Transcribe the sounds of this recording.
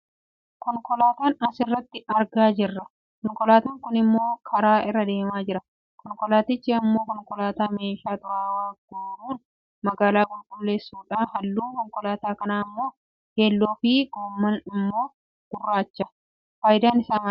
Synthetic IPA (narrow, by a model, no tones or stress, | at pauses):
kɔŋkɔlaːt̪aːnɐsɪrːɐt̪ːɪɐɾɡaːd͡ʒɪrːɐ | kɔŋkɔlaːt̪ɐŋkʊnɪmːo̞ːkʰɐɾaːɪrːɐd̪e̞ːmaːd͡ʒɪɾɐ | kɔŋkɔlaːt̪ɪt͡ʃːeɐmːo̞ːkɔŋkɔlaːt̪aːme̞ːʃaːt̪ʼʊaːwaːɡoːnuːn | mɐɡaːlaːɡʊlkʊlːe̞ːsːuːᶑaːnhɐlːuːkɔŋkɔlaːt̪aːkɐnaːɪmːo̞ː | heːlːoːfiːɡoːmːɐnɪmːo̞ː | ɡ̥ʊrːaːt͡ʃːɐ | faːjɪd̪aːnɪsaːmɐ